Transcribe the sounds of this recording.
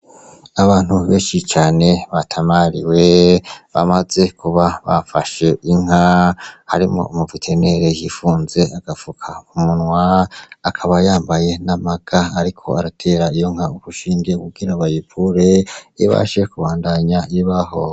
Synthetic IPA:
aβaːn̥huβe̞ːnʃit͡ʃaːne̞βatʰamaɾiweβa̰maze̞kʰuβaβa̰faʃe̞iŋ̥hahaɾimo̞̰umuvitʰe̞ne̞ɾe̞jifuːnze̞ʔaɡ̥afukʰaumunwaːkʰaβajaːmbaje̞namaɡ̥aːɾikʰo̞aɾatʰe̞ːɾaijo̞ŋ̥aukuʃiːŋɡekuɡiɾaβajipʰuɾeiβa̰ʃe̞kuβaːndaɲaiβaho̞

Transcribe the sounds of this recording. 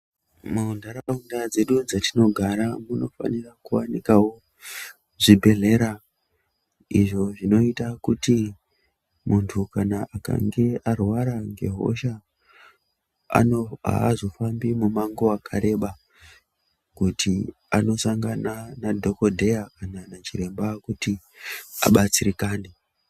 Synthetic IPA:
maundaɾaundad͡ze̞ɗud͡zatino̞ɡʱaɾamuno̞fa̰nirakuwanikawo̞ | ʐibʱe̞ɮe̞ɾa | ḭʐo̞ʐino̞itakuti | muntʰukanaaka̰ŋɡe̞arwaɾaŋɡe̞̰ɦo̞̰ʃa | a̰a̰ːzo̞fambimumaŋɡo̞akʰaɾe̞ɓa | kutʰi | ano̞saŋɡananadʱoko̞dʱe̞jakananat͡ʃiɾe̞mbakuti | a̰ɓat͡siɾikaːne

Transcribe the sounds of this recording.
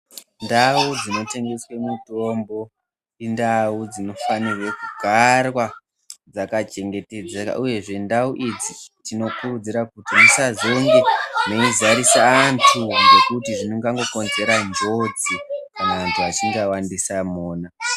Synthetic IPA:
ndaud͡zino̞te̞ŋɡe̞swe̞muto̞mbo̞ | indaud͡zino̞fanirwekuɡʱarwa | d͡zakat͡ʃe̞ŋɡe̞te̞d͡zaa̰ʔuje̞ʐe̞ndauʔid͡zitino̞kurud͡ziɾakutimusazoŋɡeno̞izaɾisaːntʰune̞kutiʐinoŋɡaŋɡo̞konze̞ɾand͡ʒo̞d͡zikanaantʰuat͡ʃiŋɡawandisamoːna

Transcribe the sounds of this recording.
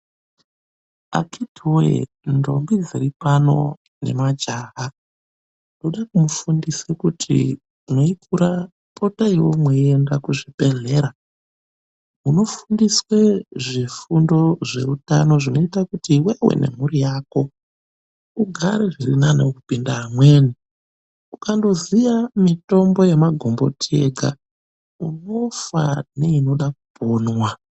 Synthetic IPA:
a̰kʰitoḛ | ndo̞̰mbid͡ziripano̞̰ | ne̞̰mad͡ʒaɦa | ndoɗakumufundisekutʰḭ | mweikʰuɾa | pʰo̞taiwomweiendakuʐipe̞ɮe̞ɾa | muno̞fundisweʐifundo̞ʐe̞uta̰no̞ʐino̞itakutiːwewḛne̞̰muɾijaːko̞ | uɡʱaɾeʐirinanakupindaːmwe̞ni | ukando̞zijamito̞mbo̞jemaɡʱo̞mbo̞̰tʰḛɡʱa̰ | uno̞fa̰ne̞ino̞ɗak̚upoːnwa

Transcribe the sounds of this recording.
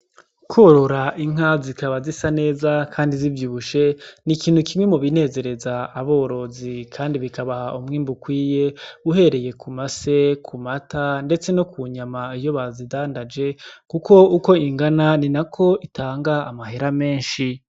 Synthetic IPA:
kʰoɾo̞ɾaʔiŋ̥azikaβazisane̞ːzakʰaːndizivjuːβuʃe̞nikiːn̥hukimwemuβine̞ːze̞ɾe̞zaːβo̞ːɾo̞zikʰaːndiβikaβahaʔumŋiːmbukwiːje̞uɦe̞ɾe̞je̞kʰumase̞kʰumatʰande̞t͡se̞no̞kʰuɲamaijo̞βazidaːndad͡ʒe̞kukʰo̞uko̞iŋɡananinakʰo̞itʰaːŋɡaːmaɦe̞ɾame̞ːnʃi

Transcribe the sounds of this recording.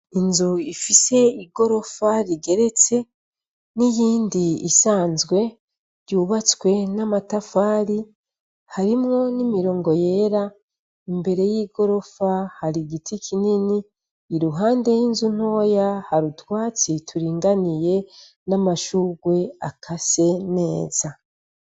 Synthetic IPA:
inzuifise̞iɡo̞ɾo̞faɾiɡe̞ɾe̞t͡se̞ | nijiːndiḭsaːnzɡwe̞ | ɾjuːβat͡swe̞namatafaːɾi | haɾimŋo̞nimiɾo̞ːŋɡo̞jeɾa | imbe̞ɾe̞jiːɡo̞ɾo̞fahaɾiɡitʰikʰininiː | ɾuɦaːnde̞jiːnzun̥o̞ːjahaɾutwaːt͡sitʰuɾiːŋɡanije̞ | namaʃuɡwe̞akʰase̞ne̞ːz̥a

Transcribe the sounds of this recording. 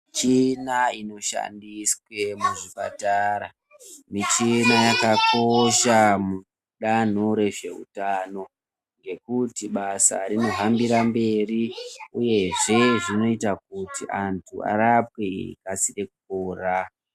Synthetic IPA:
t͡ʃinaino̞ʃa̰ndiswe̞muʐipa̰taːɾa | mit͡ʃinajakako̞ʃamu | ɗan̤o̞ɾe̞ʐe̞̰ɦṵtaːno̞ | ŋɡe̞kutiɓasa̰rino̞ɦambiɾambe̞riuje̞ʐe̞ʐino̞itak̚utiʔantʰua̰ɾapekasire̞kukoːra

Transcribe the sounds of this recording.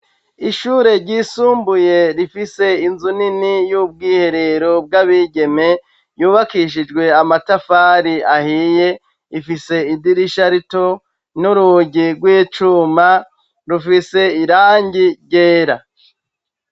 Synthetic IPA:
iʃuɾe̞ɾɟiːsuːmbuje̞ɾifise̞inzuninijub̚ɡiːhe̞ɾe̞ɾob̚ɡaβiɟe̞me̞ | juːβakiʃ̬id͡ʒɡwe̞amatafaɾiahije̞ | ifise̞idiɾiʃaɾito | nuɾuɟiɡwiːt͡ʃuma | ɾufise̞iɾaːɲɟiɟeːɾa

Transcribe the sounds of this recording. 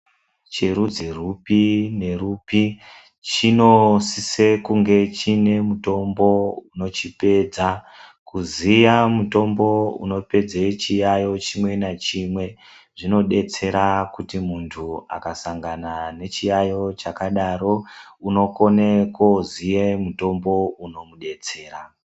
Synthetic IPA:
t͡ʃerud͡zerupine̞rupi | t͡ʃino̞sisekuŋɡe̞t͡ʃine̞muto̞mbo̞uno̞t͡ʃipe̞ːd͡za | kuzijamuto̞mbo̞ṵno̞pe̞d͡zet͡ʃijajo̞t͡ʃimwe̞nat͡ʃimwe̞ | ʐino̞ɗe̞t͡se̞ɾakutimuntʰua̰kasaŋɡanane̞t͡ʃijajo̞t͡ʃakaɗaɾo̞uno̞ko̞nekozijemuto̞mbo̞uno̞muɗe̞t͡se̞ːɾa

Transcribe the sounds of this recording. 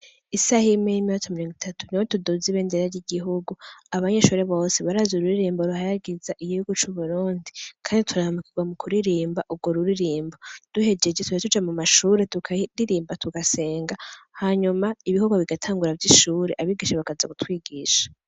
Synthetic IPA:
isahimejimiot͡somiɾoŋɡwitʰatʰu̥niwotudoziβeːndeɾaɾjiɡiɦuɡuaβaɲe̞ʃuːɾe̞βo̞ːseβaɾazuɾuɾiɾiːmboɾuhaɾaɡizaʔiɡihuɡut͡ʃuβuɾuːndikʰaːnditʰuɾahamukiɡwamukʰuɾiɾiːmbaʔuɡoɾuɾiɾiːmbod̥uhe̞d͡ʒe̞d͡ʒetuatud͡ʒamumaʃuːɾe̞tukʰaɾiɾiːmbatuɡase̞ːŋɡahaɲumaiβihuɡwaβiɡatʰaːŋɡuɾavjiʃuːɾe̞ʔaβiɡiʃaβakazakutwiːɡiʃḁ

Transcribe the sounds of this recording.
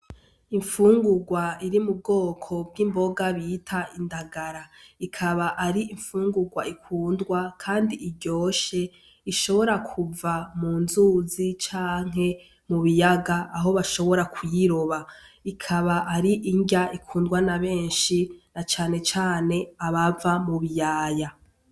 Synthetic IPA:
iɱfuːŋɡuɡwaiɾimub̚ɡo̞ːkʰo̞b̚ɡiːmbo̞ɡaβitʰaindaɡaɾaikʰaβaʔaɾiiɱfuːŋɡuɡwaikʰuːndɡwakʰaːndiiɟo̞ːʃe̞ | iʃo̞βo̞ɾakʰuvamuːnzuːzit͡ʃaːŋ̥e̞ | muβijaɡaːɦo̞βaʃo̞βo̞ɾakujiɾo̞βaikʰaβaʔaɾiʔiɲɟaʔikʰuːndɡwanaβe̞ːnʃinat͡ʃaːne̞t͡ʃaːne̞aβavamuβijaːja

